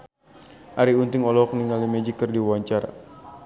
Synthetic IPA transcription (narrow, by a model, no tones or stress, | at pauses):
ʔaɾiunt̪ɪŋɔlɔɔkniŋalimɛd͡ʒikːərdiwaɲt͡ʃaɾa̰